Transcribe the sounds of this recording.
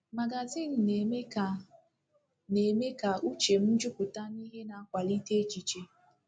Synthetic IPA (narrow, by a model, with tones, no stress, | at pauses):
ma˨ɡa˨zi˦˨n̩˨ne˨me˦ka˨ | ne˨me˦ka˨u˦t͡ʃe˨m̩˦d͡ʒʊ˦kʷʊ˨ta˦n˦i˦ɦe˦na˨a˦kʷa˨li˦te˦e˦t͡ʃi˨t͡ʃe˦